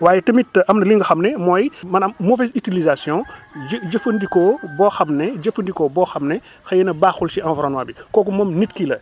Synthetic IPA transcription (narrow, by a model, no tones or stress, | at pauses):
waːjɛtɐmitːʔɐmnɐliŋɡɐxɐmnɛmɔːjmɐnɐmmɔvɛsytilizasjɔ̃d͡ʒəfəndikɔːbɔːxɐmnɛd͡ʒəfəndikɔːbɔːxɐmnɛ | xɐjɛnɐbaxulsiãnvɾɔːnmaːbikɔːkumɐmnitkilɐ